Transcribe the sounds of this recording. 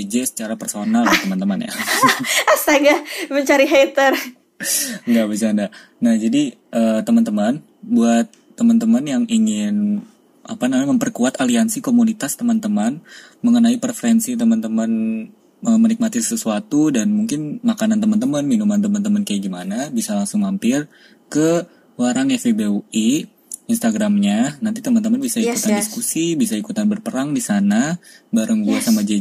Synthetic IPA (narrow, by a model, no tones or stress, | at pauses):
d͡ʒɛsə̥t͡ʃaɾapərsonalt̪əmant̪əmanja̰ | asaɡaməɲt͡ʃaɾiɦet̪ər | ŋɡabisanda | nahd͡ʒadi | ʔəːt̪əmant̪əman | buat̪ːəmant̪əmanjaŋiŋɪn | ʔa̰panamɲməmpərkuat̪aliansikomunit̪ast̪əmant̪əmanməŋənaipərfəɾɛnsit̪̬əmant̪əmən | əmənik̚mat̪isəsuat̪udanmuŋkɪnmakanant̪əmant̪əmənminumant̪əmant̪əmənkajaɡimanabisalaŋsʊŋhampɪr | kə | waɾaŋɛfebeui | inst̪aɡɾamɲanant̪it̪əmant̪̬əmanbisaikkut̪andiskusibisaikut̪anbərpəɾaŋdisanabaɾəŋɡuasamad͡ʒa